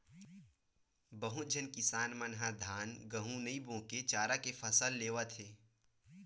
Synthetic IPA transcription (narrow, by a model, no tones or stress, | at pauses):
bəɦʊt̪̚d͡ʒʱənkɪsaːnmənɦad̪ʱaːnɡəɦũnəibõːket͡ʃaːɾakepʰəsəlːeːʋət̪ʰeː